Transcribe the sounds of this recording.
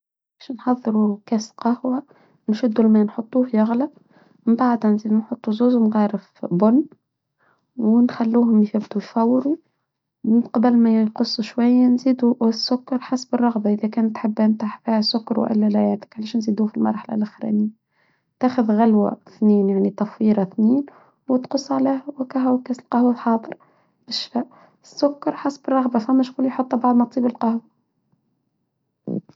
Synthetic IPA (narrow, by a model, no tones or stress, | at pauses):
ʕalæʃnħɑðˤːɨɾukæsqɑhwa | nʃʊd̪ːulmænħot̪ˤːuːhjɑɣlæ | mɪmbaʕd̪hænziːd̪nħot̪ˤːuzuːzwnɣɑːɾɪfbʊnː | wɪnxælːuːhʊmjfæbt̪ujfɑwːɾu | mɪnqɑbælmæjqʊsˤːuʃwajːanziːd̪uwɪsːʊkːɑɾˤħasbərˤːɑɣbɑʔɪðækæːnt̪ːħabːænt̪aħfiːhæsʊkːɑɾw̰ʔɪ̰lːælæjæːt̪ɪ̥kʕalæːʃnziːd̪ufilmɑ̰ɾˤħala̰lʔɪxɾæ̰nɪjːa | t̪æːxʊðɣalwa̰θniːnjaʕnit̪ɑfiːɾɑθniːn | wɪt̪qʊsˤːʕlæːhwɪkæɦwkːæsɪlqɑhwalħɑːd̪ˤəɾ | b̥ɪʃfæʔ | ɪsːʊkːɑɾˤħasbərˤːɑɣbɑfæmːæʃkuljħot̪ˤːbɑʕd̪ˤmɑt̪ˤiːbɪlqɑhwa